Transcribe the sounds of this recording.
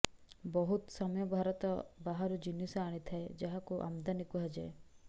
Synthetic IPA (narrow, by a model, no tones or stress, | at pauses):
bɔɦut̪sɔmɔjɔbʱaɾɔt̪ɔbaɦaɾud͡ʒinisɔaɽ̃it̪ʰaed͡ʒaɦakuʔa̰md̪anikuɦad͡ʒae